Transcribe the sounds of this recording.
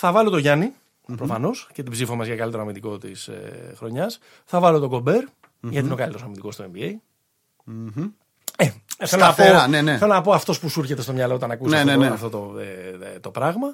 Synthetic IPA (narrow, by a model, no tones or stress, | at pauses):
θɐvɐlo̞t̪o̞ʝɐni | pɾofɐno̞sce̞t̪ibzifomɐzʝɐkɐlit̪e̞ɾoɐmind̪iko̞t̪ḭsḛxɾo̞ɲɐs | θɐvɐlo̞t̪o̞ɡo̞be̞ɾ | ʝɐt̪ino̞kɐlit̪eosɐmind̪iko̞st̪oembiej | eθelonɐponeneelonɐpo̞ɐft̪o̞spusuɾçet̪est̪o̞mɲɐloot̪ɐnɐkuseneɐft̪o̞t̪o | t̪o̞pɾɐɣmɐ